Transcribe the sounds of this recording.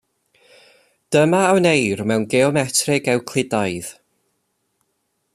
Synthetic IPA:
d̥əmaːwnejrmɛwnɡɛɔmɛtʰrɪɡɛwkʰl̥ˠɪdajð̥

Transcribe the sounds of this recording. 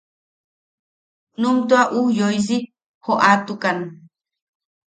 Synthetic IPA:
numt̪uaʔujojzi | hoʔat̪ukan

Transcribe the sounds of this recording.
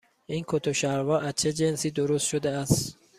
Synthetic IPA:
inkʰot̪ʰoʃæɾvɒːʔæzt͡ʃʰed͡ʒensiːd̪oɾost̪ʃod̪eæst̪

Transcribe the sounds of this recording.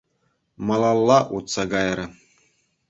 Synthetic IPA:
mɑlˠɑlˠːɑʔut̪sɑɡɑjɾɤ̆

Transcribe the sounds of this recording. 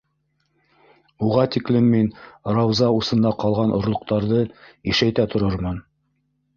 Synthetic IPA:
uʁɑt̪iklɘmːinɾɑwzɑusɤ̆nd̪ɑqɑlˠʁɑnʔŏ̰ɾlˠŏq̚t̪ɑɾðɤiʃæjt̪æt̪ŏɾoɾmɤn

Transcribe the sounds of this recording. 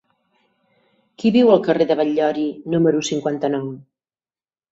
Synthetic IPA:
kiβiwəlˠkəreðəβəʎːɔɾinuməɾusiŋkwant̪ənɔw

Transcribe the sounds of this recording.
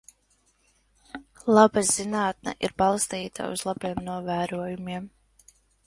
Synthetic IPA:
lˠabazinaːt̪̚nɛ̰ʔiɾbalˠst̪iːt̪ʰa̰ṵz̥lˠabiɛmnuɔvæːɾuɔjumiɛm

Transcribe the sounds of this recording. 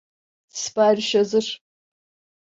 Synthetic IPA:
spʰaːrʃɐzɨr

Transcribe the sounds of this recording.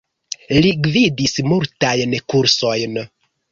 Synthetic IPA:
liɡvidismultajnkuɾso̞jn

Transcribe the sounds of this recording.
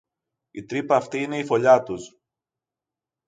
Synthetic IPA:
it̪ɾipɐːft̪iine̞ifo̞ʎɐt̪us

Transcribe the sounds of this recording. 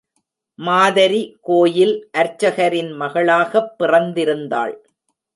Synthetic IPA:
maːðɐɾikoːjɪlʔɐɾt͡ʃːɐɣɐɾɪnmɐɣɐɭaːɣɐpːɪrɐnd̪ɪɾɯnd̪a̰ːɭ

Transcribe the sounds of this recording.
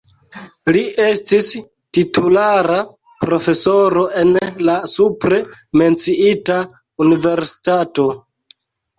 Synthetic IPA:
lie̞stis | titulaɾa | pɾo̞fe̞so̞ɾo̞ʔe̞nlasupɾe̞me̞nt͡siita | unive̞ɾsi̥tato̞

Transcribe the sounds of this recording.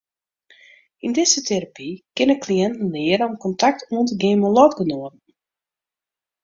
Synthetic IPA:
indɪsətʰeɾapikɪnəkliɛntn̩lɪəɾɔmkɔntak̚tʰuəntəɡeːməlɔtɡənoədn̩

